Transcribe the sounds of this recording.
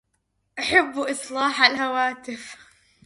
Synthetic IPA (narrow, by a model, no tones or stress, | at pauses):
ʔaħɪbːuʔɨsˤlɑːħalhawaːt̪ɪf